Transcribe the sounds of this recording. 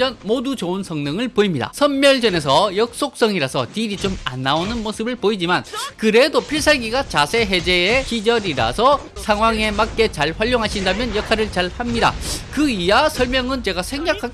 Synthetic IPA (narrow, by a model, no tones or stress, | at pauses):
ʌnmodut͡ɕounsʰʌŋnɯŋɯɭpoimɲida̰sʰʌnmjʌɭd͡ʑʌne̞sʰʌjʌk̚s͈ok̚s͈ʌŋiɾasʰʌtiɾit͡ɕoma̰nːaonɯnmosʰɯbɯɭpoid͡ʑimankɯɾe̞dopʰiɭsʰaɭɡiɡat͡ɕasʰe̞ɦe̞d͡ʑe̞ːkid͡ʑʌɾiɾa̰sʰʌ | sʰaŋɦwaŋe̞mak̚k͈e̞t͡ɕaɭɸwaʎːjoŋɦaɕʰindamjʌnjʌkʰaɾɯɭt͡ɕaɭhamɲida̰kɯijasʰʌɭmjʌŋɯnt͡ɕe̞ɡasʰe̞ŋɡakʰa